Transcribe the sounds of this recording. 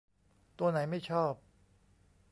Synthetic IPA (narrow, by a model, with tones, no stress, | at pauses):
t̪u˧ɐna˩˦jma˥˩jt͡ɕʰɔː˥˩p̚